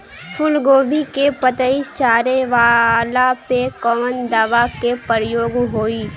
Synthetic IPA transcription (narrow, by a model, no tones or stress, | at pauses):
fʰʊlɡoːbʱikepət̪əɪst͡ʃaːɾeʋalapekɔːmənd̪aːʋakepəɾəjoːɡɦoːiː